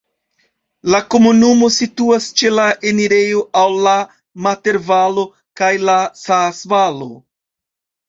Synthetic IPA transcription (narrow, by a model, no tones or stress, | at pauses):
lako̞munumo̞situast͡ʃe̞laʔeniɾe̞jo̞ʔawla | mate̞ɾvalo̞ | kajlasasvalo̞